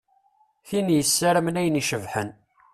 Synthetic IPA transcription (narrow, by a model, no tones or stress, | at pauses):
θinjəsːæɾəmnæjəniʃəvħən